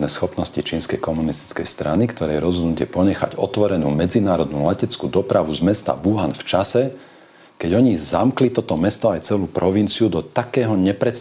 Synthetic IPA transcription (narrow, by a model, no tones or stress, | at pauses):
nɛsxɔpnɔscit͡ʃiːnskɛjkɔmunist̪i̥t͡skɛjst̪ɾanikt̪ɔɾɛːjɛɾɔzɦɔd̪nucɪɛpɔɲɛxa̰ɟɔt̪ʋɔɾɛnuːmɛd͡zinaːɾɔd̪numlacɛt͡skud̪ɔpɾaʋuzmɛst̪a̰ʋuɦanft͡ʃasɛ | kɛɟɔɲizamklit̪ɔt̪ɔmɛst̪ɔajt͡sɛluːpɾʔɔʋint͡siud̪ɔt̪akɛːɦɔɲɛpɾɛt̪s